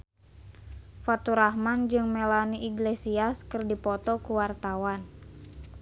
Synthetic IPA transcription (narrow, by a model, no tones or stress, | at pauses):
fat̪uɾahmand͡ʒɨŋmelaniʔiɡlesiaskɨrdipɔt̪ɔkuwart̪awan